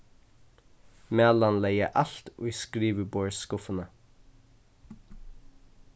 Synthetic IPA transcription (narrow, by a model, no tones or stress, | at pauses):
mɛlɑnlɛɡə̰ʔɑɬt̪ʔṵːskɾiːʋəboːɹskʊfənə